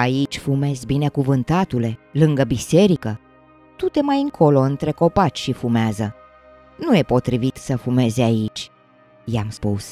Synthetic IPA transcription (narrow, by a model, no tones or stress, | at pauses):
ait͡ʃʲfume̞zʲbine̞kuvɨnt̪at̪ule̞lɨŋɡəbise̞ɾikə | t̪ut̪e̞majɨŋkʰo̞lo̞ɨnt̪ɾe̞ko̞pat͡ʃʲʃifumeazə | nuje̞po̞t̪ɾivit̪səfume̞zait͡ʃʲ | jamspus